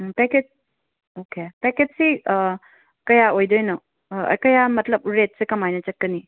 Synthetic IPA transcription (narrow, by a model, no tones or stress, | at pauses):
peket̚ | okepeket̚si | kɐjaojdojnɔ̰ | kɐjamɐtlɐb̚ɾet̚sekɐmajnɐt͡ʃɐt̚kːəni